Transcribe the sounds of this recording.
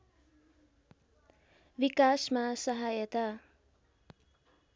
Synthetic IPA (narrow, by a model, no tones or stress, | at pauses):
bikasmasʌɦajʌt̪a